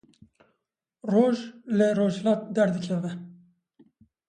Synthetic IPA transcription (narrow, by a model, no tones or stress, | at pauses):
roːʒlɪɾoːʒhlɑːt̪̚d̪ɛɾd̪ɨkʲʰɛvɛ